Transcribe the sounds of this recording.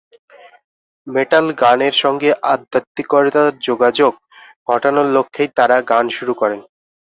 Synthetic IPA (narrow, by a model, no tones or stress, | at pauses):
meʈalɡaneɾʃɔŋɡeʔad̪ʱːat̪ːikɔɾet̪aɾd͡ʑoɡad͡ʑoɡ̚ | ɡʱɔʈonolokʰːejt̪aɾaɡanʃuɾukɔɾen